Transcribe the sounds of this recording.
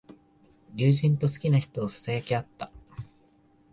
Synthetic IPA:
jʲɨːʑĩnt̪o̞sɨ̥kʲinaçi̥t̪o̞ːsḁsajakʲeat̪ːa

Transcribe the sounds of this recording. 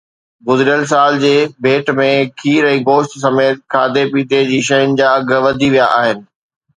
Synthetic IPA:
ɡʊzɾijəls̬aːld͡ʑeːbʱeːʈmẽkʰiːɾɛ̃ːɡoːʃt̪s̬ɐmeːt̪̚kʰaːd̪epiːt̪ed͡ʑiːʃɐjʊnɪ̆d͡ʑaːɐɡʋɐd̪ʱiʋijaʔaːɦɪnɪ̆

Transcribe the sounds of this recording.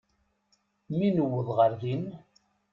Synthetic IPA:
minəwːəðʁəɾðin

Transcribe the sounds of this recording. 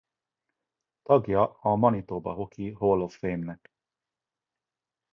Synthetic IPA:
t̪ɒɡjɒɒmɒnit̪oːbɒ̰ɦokiɦolofeːmnɛk

